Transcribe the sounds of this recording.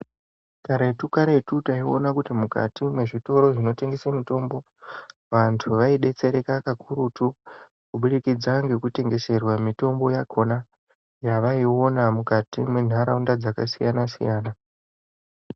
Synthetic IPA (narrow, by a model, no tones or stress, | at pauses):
kaɾeetukaɾetutaio̞̰nakutimuka̰timwe̞ʐito̞ɾo̞ʐino̞te̞ŋɡe̞samito̞mbo̞ | ʋantʰuʋaiɗe̞t͡se̞ɾe̞kakakʰuɾutu | kuɓuɗikid͡zaŋɡe̞kute̞ŋɡe̞se̞rwamito̞mbo̞jakʰo̞na | jaʋaio̞namukatimwe̞n̤ʱaɾaundad͡zaka̰sijanasḭjaːna